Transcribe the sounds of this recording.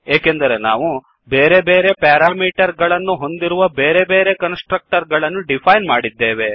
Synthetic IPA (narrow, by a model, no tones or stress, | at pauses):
eːkend̪ɐɾe̞naːʋu | beːɾe̞be̞ːɾe̞paːɾaːmiːʈɐɾɡɐɭɐnːuɦo̞nd̪iɾuʋɐbeːɾe̞be̞ːɾe̞kɐnsʈɾɐk̚ʈɐɾɡɐɭɐnːuɖipʰɐjnmaːɽid̪ːeːʋe̞